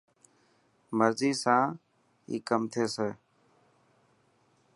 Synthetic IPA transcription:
məɾziːsãː | ḭːkəmt̪ʰeːseː

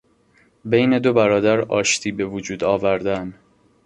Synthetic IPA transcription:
bejne̞d̪o̞bæɾɒːd̪æɾɒːʃt̪ʰiːbe̞vod͡ʒuːd̪ɒːvæɾd̪æn

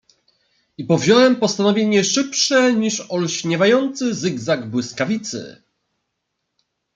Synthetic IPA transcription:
ipɔvʑɔwɛmpɔst̪anɔvʲjeɲɛʂɘpʂɛɲiʂɔlɕɲɛvajɔnt̪sɘzɘɡzaɡbwɘskavʲit̪sɘ̰

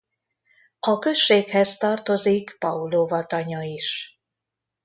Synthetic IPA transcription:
ɒkø̞ʃːeːkhɛzt̪ɒrt̪o̞zikpɒuloːvɒt̪ɒɲɒiʃ

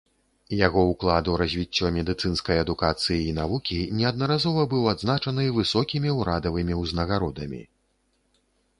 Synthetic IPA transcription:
jaɣɔuklˠad̪uɾɐzʲvʲit͡sʲːɔmʲɛd̪ɨt̪sɨnskɐjɐd̪ukat̪sɨjiːnavukʲinʲɛɐd̪̚nɐɾazɔvɐbɨwad̪znat͡ʂɐnɨvɨsɔkʲimʲiwɾad̪ɐvɨmʲiwznɐɣaɾɔd̪ɐmʲḭ

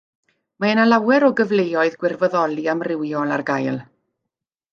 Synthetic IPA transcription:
maənalawɛɾɔɡəvlejɔɨðɡwɪrvɔðɔlˠiamrɪwjɔlˠarɡajlˠ

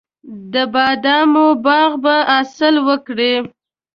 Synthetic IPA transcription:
d̪əbɑd̪ɑmobɑɣbaasəlwəkɽe

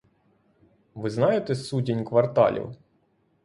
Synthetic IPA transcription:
ʋɪznɑjet̪ɛsudʲinʲkʋɐrt̪ɑ̰lʲḭw

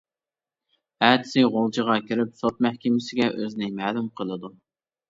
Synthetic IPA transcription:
æːt̪ʰɪ̥sɪʁolˠt͡ʃʰəʁɑkʲiɾɪp̚sot̪̚mæhkʲɪmɪsɪɡʲɛʔøznɪmæːlumqʰəlˠɨd̪u

